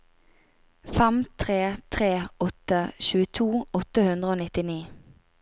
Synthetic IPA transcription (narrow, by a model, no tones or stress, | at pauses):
fɛmt̪ʰʁeːt̪ʰʁeːɔt̪əʃʉːət̪ʰuːɔt̪əhʉnd̪ʁəoːnɪt̪ɪniː